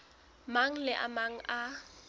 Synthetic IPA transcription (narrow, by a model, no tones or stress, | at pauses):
maŋ̩lɪʔa̰maŋ̩ʔa